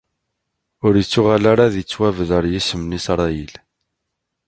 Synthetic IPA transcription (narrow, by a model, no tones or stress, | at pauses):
ʊɾjət͡sːʊʁalaɾaðət͡sːwævəðəɾˤjisəmnisɾˤɑjil